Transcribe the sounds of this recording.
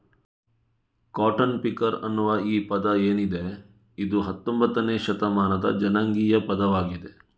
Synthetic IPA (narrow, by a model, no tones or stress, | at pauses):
kaːʈɐnpikɐɾɐ̰nːuʋɐiːpɐd̪ɐeːnid̪e | id̪uɦɐt̪ːombɐt̪ːɐneːʃɐt̪ɐmaːnɐd̪ɐ̰d͡ʒɐnɐŋɡiːjɐpɐd̪ɐʋaːɡid̪e̞